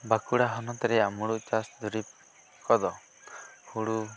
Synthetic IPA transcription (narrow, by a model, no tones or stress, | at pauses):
bakuɽaɦɔnɔt̪ɾɛamuɽuʔt͡ʃasd̪uɾip̚ | kɔd̪ɔ | huɽu